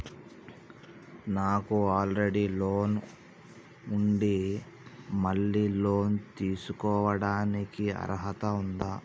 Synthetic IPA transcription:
naːkuaːlɾeɽiloːn | uɳɖi | mɐɭːiːloːnt̪iːsukɔːʋɐɽaːnikiɐ̰ɾɦɐt̪ɐund̪aː

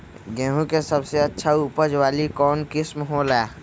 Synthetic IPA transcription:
ɡɛ̃ːɦũkesəbseətːʃʰauːpəd͡ʒwaːlikɔːnkɪsmɦolaː

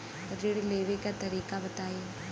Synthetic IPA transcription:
ɾɪɽleːʋekat̪ɐɾiːkabɐt̪aːe

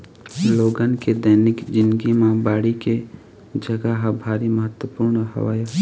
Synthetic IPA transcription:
loːɡənked̪əːnɪkd͡ʒɪ̃nd̪ɡimãbaːɽike | d͡ʒəɡəɦbʱaːɾiməɦət̪wəpuːɾɳɦɐ̰ʋa̰ːja

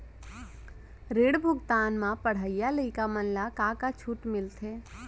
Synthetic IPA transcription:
ɾeːɽbʱʊɡt̪aːnmãpəɽ̤əijaləikamənlakakat͡ʃʰuːʈmɪlt̪ʰeː

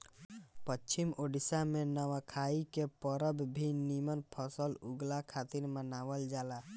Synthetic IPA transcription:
pət͡ʃːt͡ʃʰimoɖisamẽnəwakʰaikepəɾəbbʱinimənpʰəsəlʊɡlakʰaːt̪iɾmənaːwəld͡ʒaːla

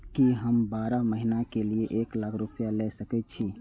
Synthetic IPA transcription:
kiɦəmbaɾaməɦinakelijeʔeklakʰɾupjalɛsəkɛt̪̚t͡ʃʰi

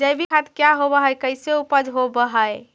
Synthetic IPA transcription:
d͡ʒəjbʱikʰat̪kjaɦobəɦəjkəɪseupəd͡ʒɦobəɦəj

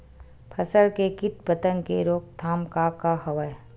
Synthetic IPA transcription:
pʰəsəlkekɪʈ̪̚bət̪ə̃ŋɡkeɾoːk̚t̪ʰaːmkakaɦɐʋəj

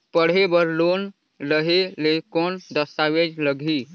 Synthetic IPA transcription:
pəɽ̤ɦebəɾlon | ləɦelekond̪əst̪awed͡ʒləɡʱi

